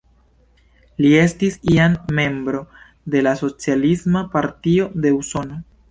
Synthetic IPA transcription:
lie̞stisianme̞mbɾo̞ | de̞laso̞t͡sialismapaɾtio̞de̞uso̞no̞

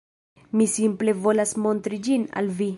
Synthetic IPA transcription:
misimple̞vo̞lasmo̞nt̪ɾid͡ʒina̰lvi

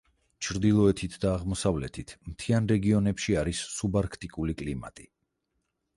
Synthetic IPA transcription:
t͡ʃʰɾd̪ilˠɔɛt̪ʰit̪ʰd̪aːʁmɔsavlɛ̰t̪ʰit̪ʰmt̪ʰianɾɛɡiɔnɛpʃiaɾisːubaɾkʰt̪ʼikʼulikʼlima̰t̪ʼi

